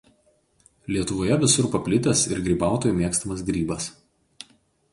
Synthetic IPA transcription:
lʲiɛt̪ʊʋoːjɛʋʲɪsʊɾpɐpʲlʲɪt̪ʲɛsɪ̰ɾɡɾʲiːbɑˑʊt̪oːjumʲiɛkst̪ɐmɐs̬ɡɾʲiːbɐs

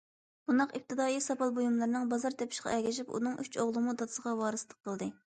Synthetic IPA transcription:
b̥und̪ɑqip̚t̪ʰɨd̪ɑːjisɑpɑlˠbojumlˠɨɾnɨŋbɑzɑɾt̪ʰɛpʰɪ̥ʃqʰɑ̰ɛɡʲɛʃ̬ipṵnɨŋyt͡ʃoʁlˠɨmud̪ɑt̪ɨ̥səʁɑwɑːɾɨslˠəq̚qʰːəlˠd̪ɨ

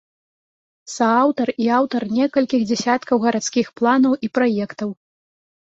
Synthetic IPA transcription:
sɐawt̪ɐriawt̪ɐrnʲɛkɐlʲkʲiɣd͡zʲɛsʲat̪kɐwɣɐɾat̪skʲixplˠanɐwʔipɾajɛkt̪ɐw

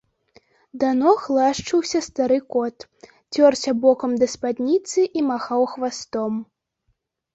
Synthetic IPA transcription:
d̪anɔxlˠaʂt͡ʂɨwsʲɐst̪aɾɨkɔt̪ | t͡sʲɔrsʲɐbɔkɐmd̪ɐspad̪ʲnʲit̪sɨʔimaxawxvast̪ɔm

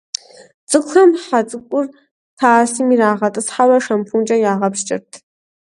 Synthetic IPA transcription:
t͡sʼɨkʷxɐmħat͡sʼɨkʷʼʊr | tʰaːsiːmiɾaːʁɐtʼɨsħawɐʂɐmpʰunt͡ʃʼɐjaːʁɐpʃt͡ʃʼɪ̰rtʰ

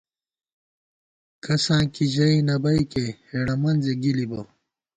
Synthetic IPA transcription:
kʰɐsãːkiʑɐinɐbɐikeheɽɐmɐnzeɡilibo

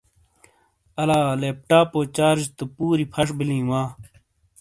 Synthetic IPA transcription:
ɐlaːleːp̚ʈaːpoːt͡ɕaːɾd͡ʑt̪upuːɾipʰɐʂbilĩːwãː

